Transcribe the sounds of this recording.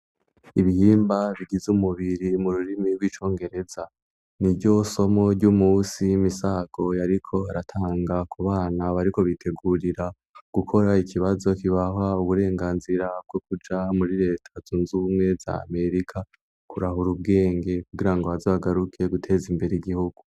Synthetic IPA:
iβihiːmbaβiɡizumuβiɾimuɾuɾimiɾwit͡ʃo̞ːŋɡe̞ɾe̞za | nibɟo̞so̞mo̞ɾɟumuːsimisaɡ̥o̞jaɾikʰo̞aɾatʰaːŋɡakʰuβaːnaβaɾiko̞βitʰe̞ɡuɾiɾa | ɡ̥ukʰo̞ɾaikʰiβazo̞kiβaɦauβuɾe̞ːŋɡaːnziɾab̚ɡwokud͡ʒamuɾiɾe̞ːtʰazuːnzumŋe̞za̰ːme̞ɾikʰa | kuɾahuɾub̚ɡe̞ːŋɡe̞kkuɡiɾaŋɡoazaβaɡaɾukʰe̞ɡutʰe̞ːzimbe̞ɾeiɡihuɡu

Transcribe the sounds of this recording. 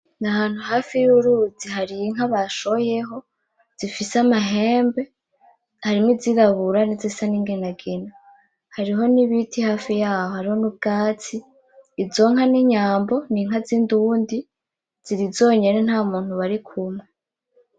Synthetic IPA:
nahaːn̥huhaːfijuɾuziɦaɾiŋ̥aβaʃo̞je̞ɦo̞ | z̥ifisamaɦe̞ːmbe̞ | haɾimiziɾaβuɾanizisaniːŋɡenaɡena | haɾiɦo̞niβitʰihaːfijaːhohaɾiho̞nub̚ɡaːt͡siː | zo̞ŋaniɲaːmbo̞niŋɦazinduːndi | z̥iɾizo̞ːɲe̞nen̥haːmuːn̥huβaɾikʰumŋe

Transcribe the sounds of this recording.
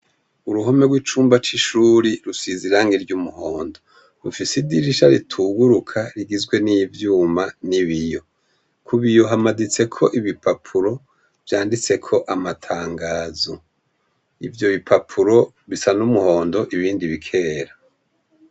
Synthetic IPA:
uɾuɦome̞ɡwiːt͡ʃuːmbat͡ʃiʃuːɾiɾusiziɾaŋiɾɟumuho̞ːndo̞ | ufisidiɾiʃaɾitʰuɡuɾukʰaɾiɡizɡwe̞nivjuːmaniβijo̞ | kʰuβijo̞ɦamadit͡se̞kʰo̞ʔiβipʰapʰuɾo̞ | vjaːndit͡se̞kʰo̞ʔamatʰaːŋɡaːzo | ivjo̞βipʰapʰuɾo̞ | βisanumuho̞ːndo̞ʔiβiːndiβikʰe̞ːɾa

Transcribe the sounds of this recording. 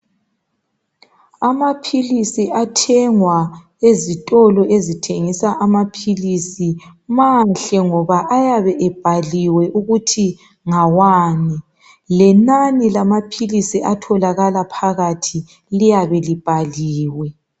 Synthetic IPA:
amapʰilisiʔatʰɛŋwa | ezitʼɔlɔezitʰeŋisaʔamapʰilisimanɬɛŋɔβaʔajaβɛʔɛb̥ʱaliwɛʔuɣutʰi | ŋawaːni | lɛnanilamapʰilisiʔatʰɔlaɣalapʰaɣatʰi | lijaβɛlib̥ʱaliːwɛ

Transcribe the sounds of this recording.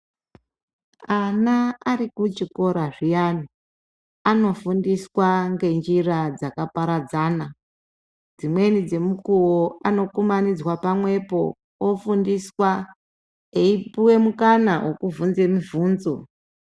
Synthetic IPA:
anaarikut͡ʃiko̞ɾaʐijani | ano̞fundiswaŋɡe̞nd͡ʒirad͡zakapaɾad͡zaːna | d͡zimwe̞nid͡ze̞mukuwoano̞kumanid͡zwapamwe̞po̞ | wofundiswa | eipuwe̞mukanawo̞kuvunze̞mivuːnzo̞

